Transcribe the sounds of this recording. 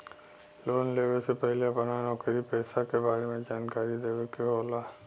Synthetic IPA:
loːnleːʋesepɐɦɪljabɐnanɔːkəɾipɛːsakebaːɾemẽd͡ʒaːnkaːɾid̪eːʋekeɦoːlaː

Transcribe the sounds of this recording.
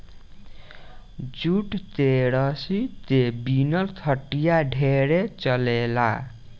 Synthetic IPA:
d͡zuʈt̪eɽʌsit̪ebinʌlt̪ʰʌʈːijaɖʱeɾet͡sʌlela̰

